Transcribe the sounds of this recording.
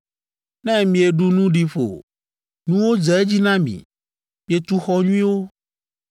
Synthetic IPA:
nɛ̃˦mĩ˨e˨ɖu˦nũ˦ɖi˨ɸo̰˨ | nũ˦wo˦d͡ʒɛ˨e˦d͡ʑi˦nã˦mḭ̃˨ | mĩ˨e˨t̪u˦xɔ˦ɲũ˦ĩ˦wo˦

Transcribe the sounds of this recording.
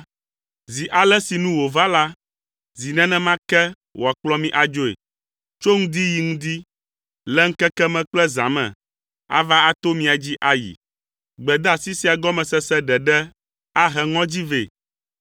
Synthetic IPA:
zi˨ʔa˨lɛ˦si˨nũ˦wo˨va˦la˦ | zi˨nɛ̃˦nɛ̃˦mã˦kɛ˦ | wʔɔ˨a˨k͡plɔ˦mĩ˦ʔa˨d͡ʒo˦ḛ˨ | t͡ʃo˦ŋũ˦d̪i˦ji˨ŋũ˦d̪i˦ | lɛ˦ŋ̩̃˦kɛ˦kɛ˦mɛ̃˨k͡plɛ˦zã̰˨mɛ̰̃˨ | a̰˦va˦a˦t̪o˦mĩ˦a˨d͡ʑi˦ʔa˦jḭ˨ | ɡ͡bɛ˨d̪a˨si˦si˦a˨ɡɔ˦mɛ̃˨sɛ˦sɛ˦ɖɛ˨ɖɛ˦ | a˦ɦɛ˨ŋɔ̃˦d͡ʑi˦ve˨

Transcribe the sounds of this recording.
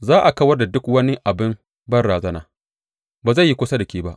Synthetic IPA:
zaː˦ʔa˨kɐ˦wɐ˦rda˨dʊ˦kwɐ˦ni˦ʔa˨bɪ˦m | bɐ˦rɽaː˨zɐ˦na̰ː˨ | baː˨za˦˨ji˦kʷʊ˦sa˦dɐ˨kʲiː˦ba˦ʔ

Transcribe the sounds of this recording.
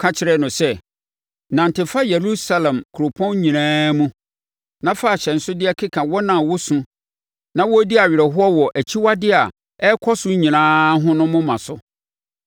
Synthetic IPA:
kʰã˦t͡ɕʰɪ˨ɾɛ˦nʊ̃˨sɛ˦ | nã˨n˨tɪ˨fa˦je˨ɾu˦sa˦lɛ̃˨mkʰʊ˨ɾo˨pʰɔ̃˦n˦ɲĩ˨nãː˦mũ˦ | nã˦fa˦˨ɕɛ˨n̩˦sʊ˦dɪ˦ɛ˦kʰɪ˦kʰã˨wɔ˦nã˨wʊ˦sũ˦ | nã˦wɔ˦di˦a˨ɥɪ˨ɾɛ˨ɦʊ˦ɔ˦wɔ˨ʔæ˨t͡ɕʰi˦wa˦dɪ˦a˨ | ɛ˦kʰɔ˦sʊ˦ɲĩ˨nãː˦ɦʊ̃˦nʊ̃˦mʊ̃˦mã˨sʊ˦

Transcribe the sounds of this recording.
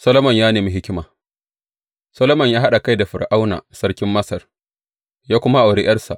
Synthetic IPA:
sɐ˦loː˦mɐ˨ɲjaː˦neː˨mi˦ɦɪ˦kʲɪ˦maː˨ | sɐ˦loː˦mɐ˨ɲjaː˦ɦa˦ɗa˨ka˦jda˨ɸɪ˨rʔa˦wna̰ː˨sɐ˦rkʲɪ˦mːɐ˦sɐ˨r | jaː˦kʷʊ˦ma˦ʔa˨wɽɪ˦jɐ˦rsa̰˨ʔ

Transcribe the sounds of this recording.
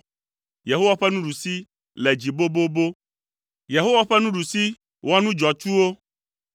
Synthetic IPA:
je˨ɦo˦wa˦ɸɛ˦nũ˦ɖu˨si˦ | lɛ˨d͡ʑi˨bo˦bo˦bo˦ | je˨ɦo˦wa˦ɸɛ˦nũ˦ɖu˨si˦ | wa˦nũ˦d͡ʒɔ˨t͡ʃu˦wo˦

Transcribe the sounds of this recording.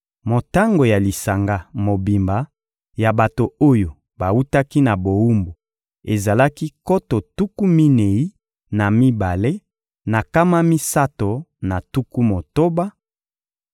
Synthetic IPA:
mo˨ta˦ŋɡo˨ja˨li˨sa˨ŋɡa˦mo˨bi˨mba˨˦ | ja˨ba˨to˨o˦jo˨ | ba˨wu˦ta˦ki˦na˨bo˨u˦mbu˨ | e˨za˨la˦ki˦ko˦to˨tu˦ku˦mi˦ne˨i˦ | na˨mi˦ba˨le˦ | na˨ka˦ma˦mi˦sa˦to˨na˨tu˦ku˦mo˨to˦ba˦

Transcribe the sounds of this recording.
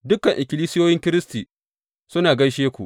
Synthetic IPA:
dʊ˦kːɐ˨ŋʔɪ˨kʲɪ˨liː˦sɪ˦joː˦jɪ˦ŋkʲɪ˦ɾɪ˦stiː˨ | sʊ˦naː˨ɡɐ˦ʃeː˦kʷu˨ʔ

